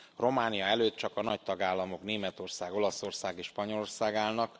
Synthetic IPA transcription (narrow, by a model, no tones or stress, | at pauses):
ro̞maːnijɒɛløːt̪̚t͡ʃɒkɒnɒ̰ct̪ɒɡaːlːɒmo̞kneːmɛt̪o̞rsaːɡo̞lɒso̞rsaːɡeʃpɒɲo̞lorsaːɡaːlnɒk